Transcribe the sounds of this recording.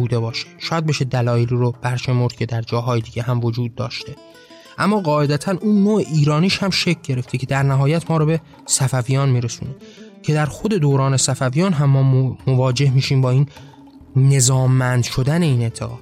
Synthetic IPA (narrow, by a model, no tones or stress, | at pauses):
uːd̪e̞bɒːʃe̥d̪̥ʃɒːjæd̪beʃed̪ælɒːjeliɾob̥æɾʃe̞moɾd̪̥̚cʲʰe̞d̪æɾd͡ʒɒːɦɒːjed̪iːɟʲeɦæmvo̞d͡ʒuːd̪̚ːɒːʃt̪ʰe̞ | ʔæmːɒːɣɒːʔe̞d̪æt̪ʰænʔuːnːoːʔeʔiːɾɒːniːʃhæmʃe̞cʰɟe̞ɾe̞ft̪ecʰe̞d̪æɾnæɦɒːjæt̪ʰmɒːɾɔbe̞ | sæfævijɒːnmiːɾesuːne | cʰe̞d̪æɾxo̞d̪e̞d̪oːɾɒːne̞sæfævijɒːnɦæmːɒːmovɒːd͡ʒe̞hmiːʃiːmbɒːiːnː | e̞zɒːmːænd̪ʃo̞d̪æne̞iːne̞nt̪ʰeɣɒ̥ː